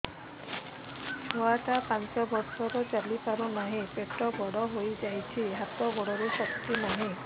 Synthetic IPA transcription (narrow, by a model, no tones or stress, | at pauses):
owat̪apãnt͡ʃɔbɔɾsɔɾɔt͡ʃalipaɾũnaɦĩpeʈɔɡɔɽɔɦojid͡ʑajt͡ɕʰiɦat̪ɔɡɔɽɔɾusɔkt̪inaɦĩ